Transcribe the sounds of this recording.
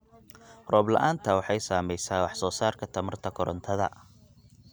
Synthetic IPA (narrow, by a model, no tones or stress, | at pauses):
rɔːblɐ̰ʔaːnt̪ʰɐwɑħɑjsaːmɛjsaːwɑħsɔːsaːrkʰɐt̪ʰɐmɐrt̪ʰɐkʰɔɾɔnt̪ʰɐðɐ̰